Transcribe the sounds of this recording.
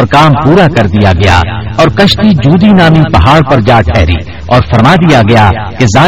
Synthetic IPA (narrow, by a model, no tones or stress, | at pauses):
ɾkaːmpuːɾakɐɾd̪ija̰ɡɐja̰ɔːɾkɐʃt̪id͡ʒuːd̪inaːmipɐɦaːɽpɐɾd͡ʒaːʈʰɛːɦɾḭː | ɔːɾfʰɐɾmaːd̪ijaɡɐjaː | kezaː